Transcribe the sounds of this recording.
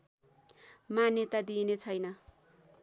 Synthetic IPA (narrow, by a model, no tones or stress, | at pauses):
manjet̪ad̪inet͡sʰʌjnʌ